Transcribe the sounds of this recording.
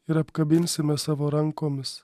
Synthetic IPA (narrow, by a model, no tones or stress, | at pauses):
ɪɾɐpkɐbʲɪnʲsʲɪmʲɛsɑːʋoːɾɐŋkoːmʲɪs